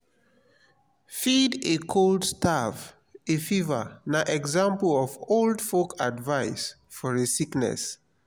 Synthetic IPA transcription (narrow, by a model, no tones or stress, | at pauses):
fidekʰoldstav | efivə̰naʔɛɡzãmplɔvoldfokadvaɪs | fɔɹesiknɛ̰s